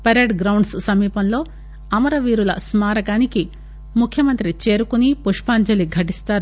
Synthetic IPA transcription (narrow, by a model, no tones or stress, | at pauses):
pɐɾeːɖɡɾɐwɳɖsːɐmiːpɐnlo̞ː | ɐmɐɾɐʋiːɾulɐsmaːɾɐɡaːniki | mukʰjɐmɐnt̪ɾit͡ʃe̞ːɾukunipuʂpaːɲd͡ʒɐliɡʱɐʈist̪aːɾu